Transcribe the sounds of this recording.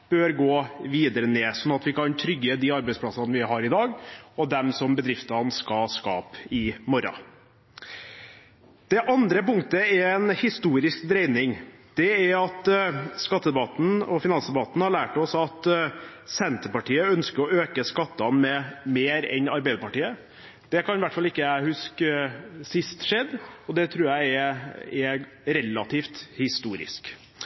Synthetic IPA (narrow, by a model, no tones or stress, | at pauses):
b̥øːɾɡoːʋiːd̪əɾəneːsɔnːɑt̪ʋɪkʰɑnt̪ʰɾʏɡːəd̪iːɑɾbɛɪspʰlɑsɑnʋɪɦɑɾɪd̪ɑːɡɔd̪ɛmsɔmbəd̪ɾɪft̪ɑnskɑskɑːpɪmɔɾɑ̰ | d̪̥ɛʔɑnd̪ɾəpʊŋkt̪əɛɾɛnhɪst̪uːɾɪskd̪ɾɛɪnɪŋd̪̥ɛæɾɑt̪skɑt̪ːəd̪ɛbɑt̪n̩ɔfɪnɑnsd̪ɛbɑt̪n̩hɑɭæːʈɔsɑt̪ | sɛnt̪əpɑʈʰiːəœnskəɾɔøːkəskɑt̪ːɑnmɛmeːɾɛ̰nɑɾbɛɪd̪əpɑʈiːə | d̪̥ɛkɑnʋæʈfɑlːɪkːəhʉsk | sɪst̪ʂɛd̪ɔd̪ɛt̪ʰɾʉːɾjæɪɛɛ | ɾɛlːɑt̪ʰiːft̪hɪst̪uːɾɪ̰sk